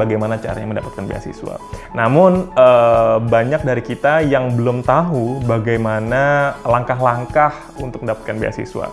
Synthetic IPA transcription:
aɡajmanat͡ʃa̰ɾa̰ɲaməndapat̪̚kanbḛa̰sḭsua̰namʊnəbaɲak̚daɾikit̪ajaŋbəlʊmt̪aɦubaɡajmanalaŋkaɦlaŋkah | unt̪ʊk̚əndapat̪̚kanbia̰sḭsua̰

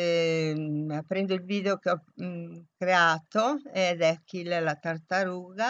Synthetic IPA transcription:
apːɾɛnd̪oilviːd̪eokeɔ | kɾeaːt̪oed̪ɛkːilɛlat̪art̪aɾuːɣa

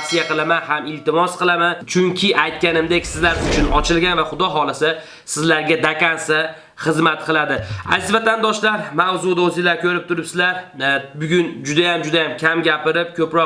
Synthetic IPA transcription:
sijaqɨlˠamanhamɪlt̪ɪmɒsqɨlˠamant͡ʃʰʊŋkʲʰɪʔajt̪̚kʲanɪmd̪ekʲsɪzlaɾɪzʊt͡ʃʰʊnɒt͡ʃʰɪlɡʲanvaχʊd̪ɒɦɒlˠɪsa | sɪzlaɾɡʲad̪akʲansa | χɨzmat̪qʰɨlˠad̪ɪa̰zɪzvat̪ʰand̪ɒʃlaɾmawzʊd̪ozɪlaɾkʲʰɵɾɪp̚t̪ʰʊɾɪpsɪzlaɾbʊɡʲʊnd͡ʒʊd̪ajamd͡ʒʊd̪ajamkʲʰamɡʲapɪɾɪp̚kʲʰɵpɾɒ

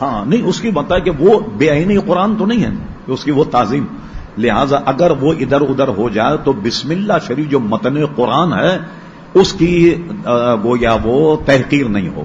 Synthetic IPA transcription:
hãːnɐɦĩʊskibɐt̪aɦɛkeʋobeːainiqʊɾaːnt̪onɐɦĩɦɛ̰ | kʊskiʋot̪aːziːm | lɪɦaːzaʔɐɡəɾʋoʔɪd̪əɾʊd̪əɾɦod͡ʒaːet̪obɪsmɪlːaɦʃɐɾiːfd͡ʒoːmɐt̪neqʊɾaːnɦɛ | ʊski | ɡoːjaʋot̪ɛɦqiːɾnɐ̰ɦḭ̃ɦo̰ː

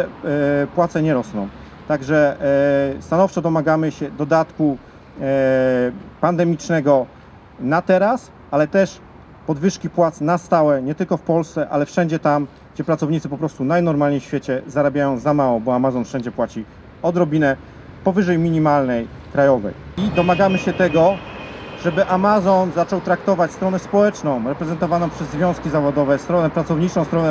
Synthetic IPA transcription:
pwat̪sɛɲɛɾɔsnɔ̃w̃ | t̪aɡʐɛ | st̪anɔft͡ʂɔd̪ɔmaɡamɘɕɛd̪ɔd̪at̪ku | pand̪ɛmʲit͡ʂnɛɡɔ | nat̪ɛɾas | alɛt̪ɛʂ | pɔd̪vɘʂkʲipwat̪snast̪awɛɲɛt̪ɘlkɔfpɔlst̪sɛʔalɛfʂɛɲd͡ʑɛt̪am | ɡd͡ʑɛpɾat̪sɔvɲit̪sɘpɔpɾɔst̪unajnɔɾmalɲejɕfʲjɛt͡ɕɛzaɾabʲjajɔ̃w̃zamawɔbɔamazɔnfʂɛɲd͡ʑɛpwat͡ɕi | ɔd̪ɾɔbʲinɛ | pɔvɘʐɛjmʲiɲimalnɛj | kɾajɔvɛ̰jid̪ɔmaɡamɘɕɛt̪ɛɡɔ | ʐɛbɘʔamazɔnzat͡ʂɔwt̪ɾakt̪ɔvat͡ɕst̪ɾɔnɛspɔwɛt͡ʂnɔ̃w̃ɾɛpɾɛzɛnt̪ɔvanɔ̃w̃pʂɛzːvʲjɔ̃skʲizavɔd̪ɔvɛst̪ɾɔnɛpɾat̪sɔvɲit͡ʂɔ̃w̃st̪ɾɔnɛ

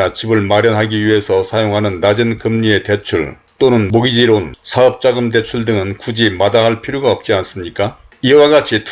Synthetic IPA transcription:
at͡ɕibɯɭmaɾjʌnɦaɡiɥiɦe̞sʰʌsʰajoŋɦanɯnːad͡ʑɯnkɯmɲie̞te̞t͡ɕʰuɭ | t͈onɯnmoɡid͡ʑiɾonsʰaʌp̚t͡ɕ͈aɡɯmde̞t͡ɕʰuɭdɯŋɯnkud͡ʑimadaɦaɭpʰiɾjoɡaʌp̚t͡ɕ͈ians͈ɯmɲik͈a | iwaɡat͡ɕʰitʰ

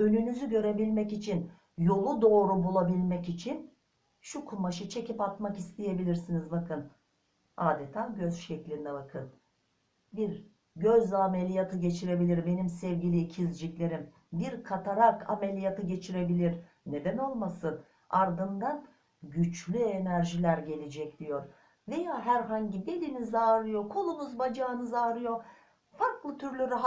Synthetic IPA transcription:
ø̞nynyzyɟø̞ɾe̞bilʲmɛcit͡ʃʰin | jo̞lˠud̪o̞ːɾubulˠabilʲmɛcit͡ʃʰin | ʃukʰumaʃɯt͡ʃʰe̞cʰipat̪makist̪ʰije̞bilʲiɾsinizbakʰɯn | aːd̪et̪ʰaːɟø̞zʃɛclʲind̪ɛβakʰɯn | biɾ | ɟøzame̞lʲijat̪ʰɯɟe̞t͡ʃʰiɾe̞bilʲiɾbe̞nimsɛvɟilʲicʰizd͡ʒicʲlʲe̞ɾim | biɾkʰat̪ʰaɾakʰa̰me̞lʲijat̪ʰɯɟe̞t͡ʃʰiɾe̞bilʲiɾ | ne̞d̪æno̞lˠmasɯn | aɾd̪ɯnd̪an | ɟyt͡ʃlʲye̞næɾʒilʲæɾɟe̞lʲid͡ʒɛc̚d̪̥ijo̞ɾ | ve̞jaːɦæɾɦaɲɟibe̞lʲinizaːɾɯjokʰolˠunuzbad͡ʒaːnɯzaːɾɯjo̞ | faɾklˠɯt̪ʰyɾlʲyɾaɦ

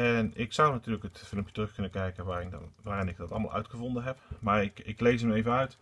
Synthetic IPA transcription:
ɛnɪksʌwnatyːləkətfɪlˠmpjətrɵxkɵnənkɛjkənʋaːʋaːrɪnɪɡ̚dɑtɑlˠma̰lˠʔœ̰ɥtχəvɔndənɦɛpmaːɹɪkɪklejsəmejvənœɥt

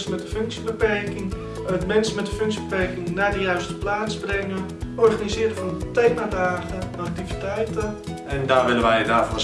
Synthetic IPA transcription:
səmɛtdəføŋksjəbəpɛrkɪŋ | ətmɛnsəmɛtdəføŋksjəbəpɛrkɪŋnadəjœɥstə̥plaːt͡sbrɪŋə | ɔrχanizɪəɾəfɔnətejmadaːxəɛnak̚tivitɛjtə | ɛndaːʋɪlənʋɛjdaːfɔ

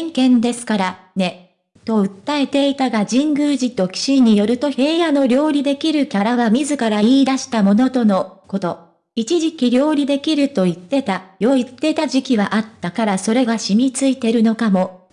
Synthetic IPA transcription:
ŋkẽ̞nd̪e̞sɨ̥kaɾa | ne̞ | t̪o̞ɯ̟t̪ːae̞t̪e̞it̪aɡad͡ʑĩŋɡɯːʑit̪o̞kʲi̥ɕiɲ̟ːijo̞ɾɯ̟t̪o̞çe̞ːjano̞ɾʲo̞ːɾʲid̪e̞kʲiɾɯ̟kʲaɾaβamʲizɨkaɾaiːd̪aɕi̥t̪amo̞no̞t̪o̞no̞ko̞t̪o̞ | it͡ɕiʑikʲiɾʲo̞ːɾʲid̪e̞kʲiɾɯ̟t̪o̞it̪ːe̞t̪ajo̞it̪ːe̞t̪aʑikʲiβaʔat̪ːakaɾaso̞ɾe̞ɡaɕimʲit͡sɨit̪e̞ɾɯ̟no̞kamo̞

